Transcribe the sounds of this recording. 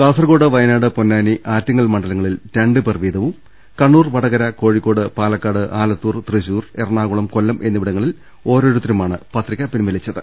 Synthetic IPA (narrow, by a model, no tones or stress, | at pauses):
kaːsɐrɣo̞ːɽɨʋɐjɐnaːɽɨponːaːniʔaːtːɐŋːɐɭmɐɳɖɐlɐŋːɐɭilteɳɖɨperʋiːd̪ɐʋum | kɐɳːuːrʋɐɽɐɣɐɾɐko̞ːɻikːo̞ːɽɨpaːlɐkːaːɽɨʔaːlɐt̪ːuːrt̪riɕuːrerɳaːɣuɭɐmko̞lːɐmʔe̞nːiʋiɽɐŋːɐɭil | o̞ːɾo̞ːɾut̪ːɐɾɐmaːɳɨpɐt̪rikʲːɐpinʋɐlit͡ɕːɐðɨ